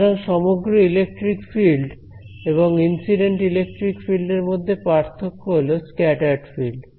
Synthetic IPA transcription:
ɾaŋʃɔmoɡɾoilek̚ʈɾikfilɖ | eβoŋinsiɖeɳʈilek̚ʈɾikfilɖeɾmod̪ʱːepaɾt̪ʰokːoɦoloskɛʈaɖfilɖ

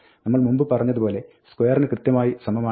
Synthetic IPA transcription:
nɐmːɐɭmumbɨpɐrɐɲːɐðupo̞ːle̞ | skwojɐrɐnɨkrɨt̪jɐmaːjisɐmɐmaː

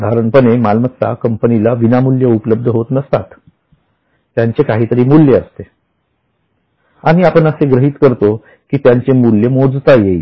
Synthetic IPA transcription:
d̪ʱaɾəɳpənemalmət͡sa̰kəmpənilaʋinamuljəupələb̚d̪ʱəɦot̪nəst̪at̪ | jaɲt͡ɕekaɦiːt̪əɾiːmuljeəst̪e | aɽ̃iapənəseɡɾəɦiːt̪kəɾt̪o | kiːt̪jaɲt͡ɕemuljəmod͡zt̪ajei

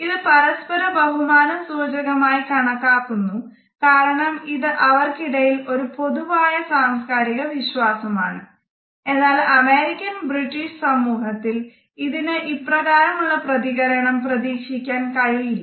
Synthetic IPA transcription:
iðɨpɐɾɐspɐɾɐbɐɦumaːnɐmsuːd͡ʑɐɣɐmaːjikɐɳɐkːaːkːunːu | kaːɾɐɳɐmiðɨʔɐʋɐrkiɽɐjilo̞ɾupo̞ðuʋaːjɐsaːmskaːɾiɣɐʋiɕwaːsɐma̰ːɳɨ | e̞nːaːlɐmeːɾikʲːɐnbriʈːiʂsɐmuːɦɐt̪ːil | iðinɨʔiprɐɣaːɾɐmuɭːɐprɐðiɣɐɾɐɳɐmprɐðiːkʂikʲːaːnkɐɻiɐ

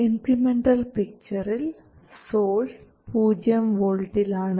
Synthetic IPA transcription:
inkɾimeɳɖɐlpik̚t͡ɕɐril | soːls | puːd͡ʑjɐmʋoɻʈːilaːɳɨ

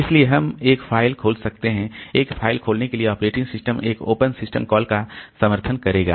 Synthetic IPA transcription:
ɪslieɦɐmeːkfʰaːɪlkʰoːlsɐk̚t̪eɦɛ̃eːkfʰaːɪlkʰoːlnekelieɔːpɾeːʈɪ̃ŋɡsɪsʈəmeːko̰ːpənsɪsʈəmkɔːlkasɐməɾt̪ʰənkɐɾeːɡa̰ː

